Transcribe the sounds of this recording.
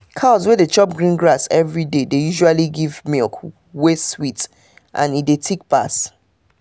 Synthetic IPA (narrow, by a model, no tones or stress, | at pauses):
kʰazwɛdet͡ʃɔp̚ɡɹĩnɡɹasɛvɹidedejuʒualiɡivmilk | weswit | ʔã̰nit̚detʰek̚pas